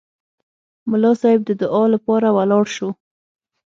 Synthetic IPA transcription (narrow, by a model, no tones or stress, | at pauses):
mʊlɑsɑhɪb̚d̪əd̪ʊʔɑlapɑɾawalɑɽʃo